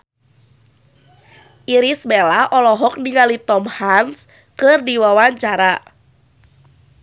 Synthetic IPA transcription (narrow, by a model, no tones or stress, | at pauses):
ʔiɾismelaʔɔlɔɦɔk̚niŋalit̪ɔmhans | kɨrdiwawaɲt͡ʃaɾa